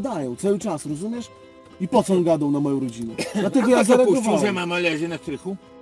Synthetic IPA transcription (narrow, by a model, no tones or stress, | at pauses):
d̪ajɔ̃w̃t̪sawɘt͡ʂasɾɔzumʲjɛʂ | ipɔt̪sɔ̃ɡad̪ɔ̃w̃namɔjɔ̃w̃ɾɔd͡ʑinɛjat̪ɛɡɔjazaɾaɔvawamamalɛʑɛnask̪ɾɘxu